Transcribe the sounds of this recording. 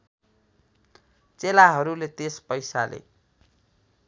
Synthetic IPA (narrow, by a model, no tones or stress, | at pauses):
t͡selaɦʌɾulet̪espʌjsa̰lḛ